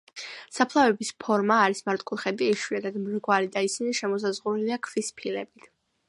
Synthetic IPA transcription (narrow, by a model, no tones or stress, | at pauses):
sapʰlˠavɛbispʰɔɾmaːɾismaɾt̪ʼkʼulˠχɛd̪iːʃwiɛd̪ad̪mɾɡwaɾid̪aisiniʃɛmɔs̬azʁunɛliakʰvispʰilɛbit̪ʰ